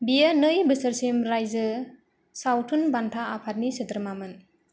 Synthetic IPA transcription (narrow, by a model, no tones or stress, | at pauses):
bijanɯjbɯsəɾsemɾajzɯ | sawtʰunbantʰaapʰat̚nisɯt̪ɾmamɯn